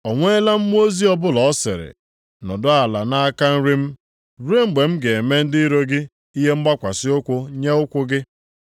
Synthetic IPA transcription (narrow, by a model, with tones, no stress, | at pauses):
ɔ˨ŋʷe˦e˦la˦m̩˦m˦o˦zi˦ɔ˦bʊ˦lɔ˨ɔ˦sɪ̰˨ɾɪ̰˨ | nɔ˨dʊ˦a˨la˨na˦a˦ka˦n̩˦ɾi˦m̩˦ | ɾe˦ŋ͡m̩˨ɡ͡be˨m̩˦ɡe˨e˨me˦n̩˦dɪ˦ɾo˦ɡɪ˦ | i˦ɦe˦m̩˦ɡ͡ba˦kʷa˨sɪ˦ʊ˦kʷʊ˦ɲe˦ʊ˦kʷʊ˦ɡɪ˦